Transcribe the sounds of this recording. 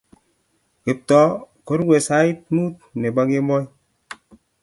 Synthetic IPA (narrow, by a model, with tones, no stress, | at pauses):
ke˨p̚t̪ɔ˦ | ko˦ɾɡwe˨sa˦i˦t̪̚mu˦t̪̚ne˨ba˨˦ke˦mɔ˦j